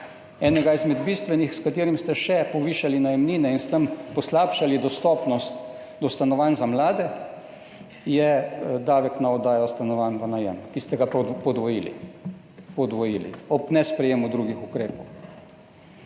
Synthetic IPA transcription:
ɛːnɛɡaizmɛd̪biːst̪ʋɛnixskat̪eːɾimst̪ɛʃɛpɔʋiːʃalinajɛmniːnɛinst̪əmpɔslaːpʃalid̪ɔst̪ɔːpnɔst̪ | d̪ɔst̪anɔʋanzamlaːd̪ɛ | jɛd̪aːʋɛknaɔd̪aːjɔst̪anɔʋaːnʋanajɛ̰mkist̪ɛɡapɔd̪ʋɔjḭlḭ | pɔd̪ʋɔjḭlḭɔpnɛspɾɛjeːmud̪ɾuɡixukɾeːpɔw

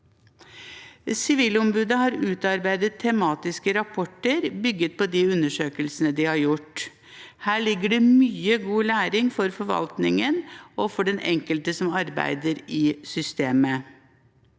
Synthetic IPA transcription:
sɪʋiːlɔmbʉːd̪əhɑɾʉːt̪ɑɾbæɪd̪ət̪ʰːɛmɑːt̪ɪskəɾɑpʰɔʈːəɾbʏɡət̪̚pʰɔd̪iʉnːəʂøːkəlsənəd̪ɪhɑɾjʊʈ | hæːɭɪɡːəɖɛmyːəɡuːlæːɾɪŋfɔɾfɔɾʋɑ̰lt̪nɪŋənɔfɔɖɛnʔɛ̰ŋkəlt̪əsɔmɑɾbæ̰ɪd̪əɾɪsʏst̪eːmə

